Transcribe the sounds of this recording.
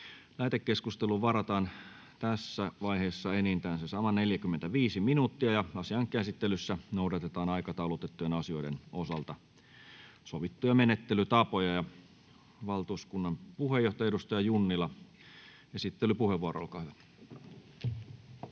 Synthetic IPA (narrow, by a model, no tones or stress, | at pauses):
læːt̪ekːeskust̪eluʋɑɾɑt̪ɑːn | t̪æsːæʋɑiɦeːsːɑenint̪æːnsesɑmɑneljækymːent̪æʋiːsiminuːt̪ːiɑjɑɑsiɑŋkˑæsit̪ːelysːænoudɑt̪et̪ɑːnɑikɑt̪ɑulot̪et̪ːujenɑsio̞jdḛnosɑlt̪ɑ | soʋit̪ːujɑmenet̪ːelyt̪ɑpojɑjɑ | ʋɑlt̪uːskunːɑmpuhejoht̪oɑjɑeɾust̪ɑjɑjunːilɑ | esit̪ːelypuheʋːuɑɾɑ̰o̰lkɑːhyʋæ